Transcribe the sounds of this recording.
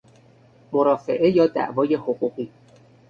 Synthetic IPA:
moɾɒːfe̞ʔe̞jɒːd̪æ̰ʔvɒːje̞hoɣuːɣiː

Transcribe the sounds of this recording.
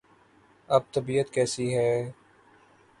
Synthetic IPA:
ɐb̚t̪əbiːət̪kɛːsiɦɛː

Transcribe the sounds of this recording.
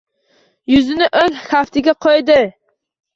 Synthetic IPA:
jʊzɪnɪʔozhaft̪ʰɪɡʲaqʰojd̪ɪ

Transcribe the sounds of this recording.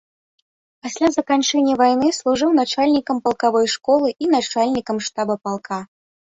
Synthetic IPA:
pasʲlʲazɐkant͡ʂɛnʲːɐvajnɨslˠuʐɨwn̪at͡ʂalʲnʲikɐmpɐlˠkavɔjʂkɔlˠɨʔinat͡ʂalʲnʲikɐmʂt̪abɐpalˠkʰa

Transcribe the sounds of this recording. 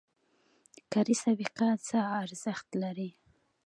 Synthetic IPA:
kaɾisabiqat͡səːɾzəxt̪laɾi

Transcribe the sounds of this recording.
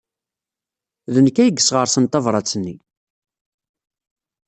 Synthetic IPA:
ðənəkːæjəɡːəsʁəɾˤsənt̪ɑvɾˤɑt͡sːənːi

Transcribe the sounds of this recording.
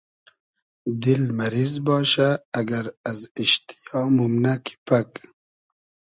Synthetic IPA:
d̪ɪlmaɾizbɑːʃaːɡaɾaziʃt̪i̥jɑmumnakʰi̥pak

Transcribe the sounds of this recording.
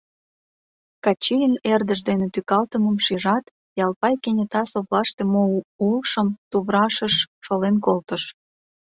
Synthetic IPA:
kɑt͡ɕijənerd̪əʃd̪enet̪ykɑlt̪əməmʃiʒɑt̪ | jɑlpɑjkenʲet̪ɑsoβlɑʃt̪emoulʃəmt̪uβɾɑʃəʃʃolenkolt̪əʃ

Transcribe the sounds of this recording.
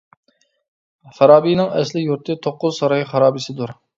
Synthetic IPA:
χɑɾɑːbijnɪŋɛslɪjuɾt̪ʰɨt̪ʰoqːʊzsɑɾɑjχɑɾɑːbisɨd̪uɾ

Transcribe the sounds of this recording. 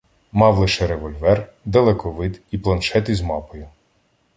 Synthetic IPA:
mɑwlˠɪʃɛɾeʋɔlʲʋɛr | d̪ɐlˠɛkɔʋɪd̪iplˠɐnʃɛt̪ɪzmɑpɔjʊ

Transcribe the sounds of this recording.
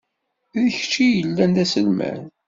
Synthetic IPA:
ðəç̥t͡ʃːijəlːænd̪æsəlmæ̰n

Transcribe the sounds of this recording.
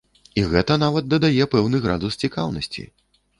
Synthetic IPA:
iɣɛt̪ɐnavɐt̪̚d̪ɐd̪ajɛpɛwnɨɣɾa̰d̪ust͡sʲikawnɐsʲt͡sʲḭ

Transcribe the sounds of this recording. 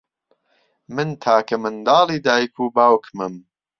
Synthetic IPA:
mɨnt̪ʰaːkɐmɨnd̪ɑːliːd̪aːjkʰuːbaːwkmɨm

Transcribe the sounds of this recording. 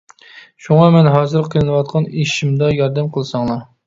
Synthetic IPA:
ʃuŋɑmɛnɦɑːzɨɾqʰilɨnɨwɑt̪̚qʰɑneʃimd̪ɑjɑɾd̪ɛmqʰəlˠɨsɑŋlˠɑ

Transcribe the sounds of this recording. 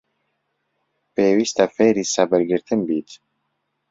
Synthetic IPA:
peːwist̪afeɾisabɛɾɡɪɾt̪ʰɨmbiːt̪

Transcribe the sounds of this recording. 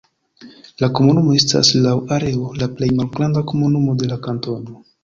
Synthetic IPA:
lako̞munumo̞e̞sta̰slawaɾe̞olaple̞jmalɡɾandako̞munumo̞de̞lakanto̞no̞

